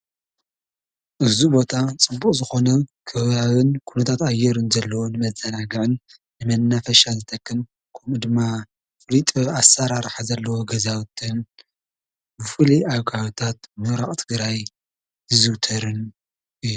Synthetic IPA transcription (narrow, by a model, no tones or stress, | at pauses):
ʔɨzubo̞t̪ʰat͡sʼɨbːukʼzɨxo̞nɐkʰɐβaβɨnkʰunɐt̪ʰat̪ajːɛɾɨnzɐlːɐwonɨmɐzɐnaɡɐʕɨnː | ɨmɐnːafɐʃazɨt̪ʰɐkʰːɨm | kʰɐmɨd̪ɨmːa | fʼɨlit̪ʼɨasaɾaɾħazɐlːɐwoɡɐzawt̪ʰɨn | bɨfɨliʔaβɡawt̪ʰat̪̚mɨɾaχʼt̪ʰɨɡɾaj | zɨzɨwt̪ʰɐɾɨn | ʔɨjːu